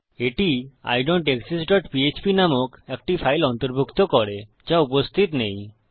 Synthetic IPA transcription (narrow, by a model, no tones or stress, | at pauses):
eʈia̰jɖoɳʈeksisʈɔʈpiet͡ʃpinamɔkekʈipʰajlɔnt̪ɔɾbʱukt̪ɔkɔɽe | d͡ʒaupost̪ʰit̪nej̃